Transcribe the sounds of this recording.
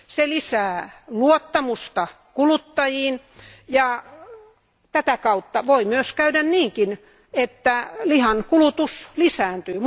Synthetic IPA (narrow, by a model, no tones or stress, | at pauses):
selisæːluot̪ːɑmust̪ɑ | kulut̪ːɑjiːn | jɑ | t̪æt̪ækɑut̪ːɑʋoimyøskæydænniːŋkin | et̪ːælihɑnkulut̪uslisæːnt̪yːm